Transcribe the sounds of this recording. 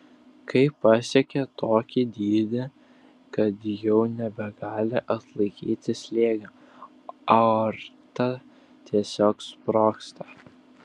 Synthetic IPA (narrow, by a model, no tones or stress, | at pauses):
kʰɐɪpːɑsʲɛkʲɛt̪oːkʲɪd̪ʲiːd̪ʲɪ | kɐt̪jɛʊnʲɛbʲɛɡɑːlʲɪʔɐt̪lˠɐɪkʲiːt̪ʲɪsʲlʲeːɡɐ | ɐɾt̪ɐ | t̪ʲʰiɛsʲoːkspɾoːkst̪ɐ